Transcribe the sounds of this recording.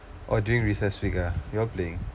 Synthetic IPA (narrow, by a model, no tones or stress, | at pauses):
ʔɔduĩŋɹisɛsfikəjɔpleɪ̃ŋ